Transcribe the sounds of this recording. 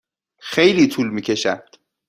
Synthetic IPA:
xejliːt̪ʰuːlmiːcʰe̞ʃænd̪̥

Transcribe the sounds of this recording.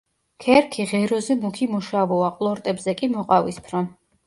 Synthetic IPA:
kʰɛɾkʰiʁɛɾɔzɛmukʰimuʃavɔaqʼlˠɔɾt̪ʼɛbzɛkʼimɔqʼavispʰɾɔm

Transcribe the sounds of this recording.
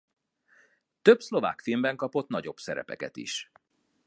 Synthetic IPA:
t̪øbslo̞va̰ːkfilmbɛŋkɒpo̞t̪nɒɟo̞bsɛɾɛ̰pɛkɛt̪ḭʃ

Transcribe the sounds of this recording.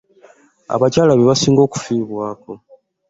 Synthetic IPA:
a̰βacaːlaβeβasiːŋɡo̞ːku̥fiːβwaːko̞

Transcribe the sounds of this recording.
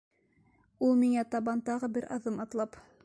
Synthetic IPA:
ulˠmiŋæt̪ɑβɑnt̪ɑʁɤbɘɾʔɑðɤmɑt̪lˠɑp

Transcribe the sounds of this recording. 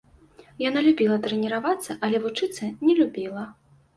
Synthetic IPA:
janalʲubʲilˠɐt̪ɾɛnʲiɾavat̪sːɐʔɐlʲɛvut͡ʂɨt̪sːɐnʲɛlʲubʲilˠɐ

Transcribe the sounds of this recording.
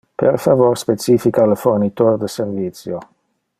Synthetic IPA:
pḛɾfavoɾspet͡ʃiːfikaləfornit̪oɾd̪əservit̪sjo

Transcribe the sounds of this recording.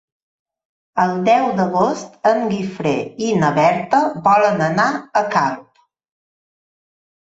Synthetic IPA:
əlˠd̪ɛwd̪əɣost̪əŋɡifɾeinəβɛɾt̪əβɔlənənaəkalp

